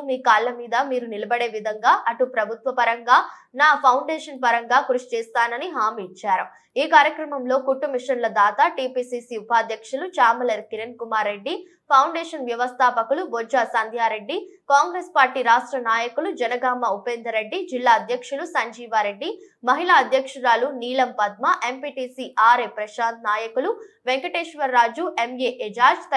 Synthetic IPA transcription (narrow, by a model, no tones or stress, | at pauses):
miːkaːɭːɐmiːd̪ɐmiːɾunilɐbɐɽe̞ːʋid̪ʱɐŋɡaːʔɐʈupɾɐbʱut̪ʋɐpɐɾɐŋɡaːnaːpʰɐwɳɖeːʂɐnp̬ɐɾɐŋɡaːkuɾuʃi̥t͡ʃɛːst̪aːnɐniɦaːmiːt͡ʃːaːɾu | iːkaːɾjɐkɾɐmɐmlo̞ːkuʈːumiʂɐnlɐd̪aːt̪aːʈiːpiːsiːsiupaːd̪ʱjɐkʂulut͡ʃaːmɐlɐɾkiɾɐnkumaːɾːe̞ɖːi | pʰɐwɳɖeːʂɐnʋjɐʋɐst̪ʰaːpɐkulubod͡ʒaːsɐnd̪ʱjaːɾe̞ɖːikaːŋɡɾeːspaːɾʈiːɾaːʂʈɾɐnaːjɐkulud͡ʒɐnɐɡaːmɐupeːnd̪ɐɾeɖːid͡ʒilːaːɐd̪jɐkʂulusɐɲd͡ʒiːʋaɾe̞ɖːi | mɐɦilaːɐd̪ʱjɐkʂuɾaːluniːlɐmpɐd̪̚mɐʔe̞mpiːʈiːsiʔaːɾepɾɐʃaːd̪̚naːjɐkulu | ʋeŋkɐʈeːʃʋɐɾːaːd͡ʒuʔemjeːʔed͡ʒaːɾd͡ʒt̪ɐ